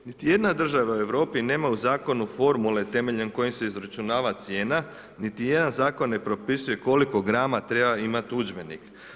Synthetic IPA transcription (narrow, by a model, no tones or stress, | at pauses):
nit̪ije̞d̪nad̪r̩ʒaʋaue̞ʋɾo̞ːpine̞ːmauzaːko̞nufo̞ɾmule̞t̪e̞me̞ʎenko̞jimse̞izɾat͡ʃunaːʋat̪sje̞ːna | nit̪ije̞d̪anzaːko̞nːe̞pɾo̞pisuje̞ko̞liko̞ɡɾaːmat̪ɾe̞baimat̪ud͡ʒbe̞nḭk